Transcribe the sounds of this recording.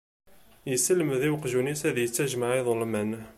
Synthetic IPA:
jəsəlmðiwqʒunisæðjət͡sːæʒmaʕiðˤəlmæn

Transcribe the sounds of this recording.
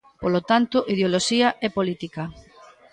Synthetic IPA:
polot̪ant̪ʊʔiðeoloʃiɐʔɛpolit̪ikɐ

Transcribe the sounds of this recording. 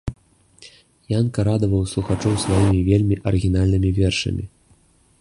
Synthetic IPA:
jankɐɾad̪ɐvɐwslˠuxat͡ʂɔwsvajimʲivʲelʲmʲiʔɐɾɨɣʲin̪alʲnɨmʲivʲɛrʂɐ̰mʲḭ

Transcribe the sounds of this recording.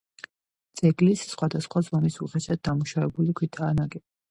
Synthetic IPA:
t̪sʼɛɡlisːχwad̪asχwazɔmisuχɛsɛd̪̚d̪amuʃavɛbulikʰwit̪ʰaːnaɡɛ

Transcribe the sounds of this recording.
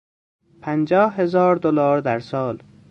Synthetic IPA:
pʰænd͡ʒɒːhhe̞zɒːɾd̪olɒːɾd̪æɾsɒːl

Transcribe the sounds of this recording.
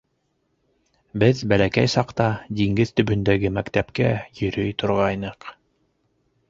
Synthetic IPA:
bɘðbælækæjsɑqt̪ɑd̪iŋɡɘðt̪ɵ̆bɵ̆nd̪æɡɘmækt̪æpkæjɵ̆ɾɵjt̪ŏɾʁɑjnɤq

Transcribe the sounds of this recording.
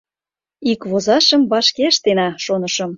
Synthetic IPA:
ikβozɑʃə̆mbɑʃkeʃt̪enɑʃonə̆ʃə̆m

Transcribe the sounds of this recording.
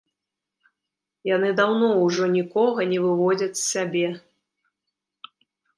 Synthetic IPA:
jan̪ɨd̪awnɔwʐɔnʲikɔɣɐnʲɛvɨvɔd͡zʲɐt͡sʲsʲsʲabʲɛ

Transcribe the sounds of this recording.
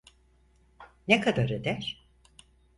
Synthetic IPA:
nekʰad̪aɾed̪æɾ̥

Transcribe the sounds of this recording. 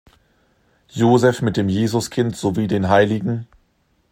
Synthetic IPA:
joːzɛfmɪt̚d̥eːmjeːzʊskʰɪntz̥oviːdeːnɦaɪlɪɡŋ̩

